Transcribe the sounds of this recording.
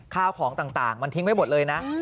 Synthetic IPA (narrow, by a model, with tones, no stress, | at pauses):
kʰaː˥˩wkʰɔː˩˦ŋt̪aː˨˩ŋt̪aː˨˩ŋma˧nt̪ʰi˧˥ŋma˥˩jbo˨˩t̪̚lɤː˧jna˦˥ʔ